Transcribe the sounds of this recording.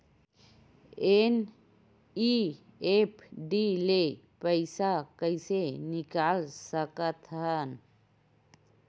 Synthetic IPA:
en | i | epʰɖile | pəɪsakəɪsenɪkaːlsəkət̪ɦən

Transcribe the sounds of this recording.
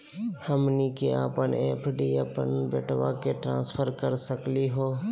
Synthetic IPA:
həmnikea̰ːpəneːpʰɖiəpənbḛːʈʋakeʈɾã̰ːspʰəɾkəɾsəkliɦoː

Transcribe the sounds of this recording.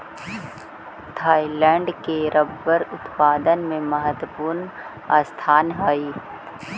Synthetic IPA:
t̪ʰaːilɛ̃ːɳɖkeɾəbːəɾʊt̪paːd̪ənmẽməɦət̪əpuːɾn | aːst̪ʰaːnɦaːiː

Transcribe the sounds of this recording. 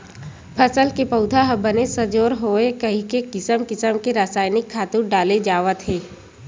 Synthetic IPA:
pʰəsəlkepɐʊd̪ʱaɦbənesəd͡ʒoːɾɦoːekɐɦikekɪsəmkɪsəmkeɾaːsaːɪnɪkʰːaːt̪uɾɖaːled͡ʒaːʋət̪ɦeː

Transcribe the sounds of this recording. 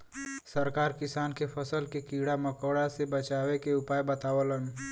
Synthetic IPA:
səɾkaːɾkɪsaːnkepʰəsəlkekiːɽaməkəːɽasebət͡ʃaːwekeʊpaːjbət̪aːwələn

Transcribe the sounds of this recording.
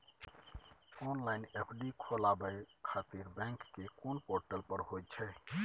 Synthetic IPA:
onlaɪnepʰɖikʰolabəkʰat̪iɾbɛ̃ŋkːekonpoɾʈəlpəɾɦojt͡ʃʰɛ

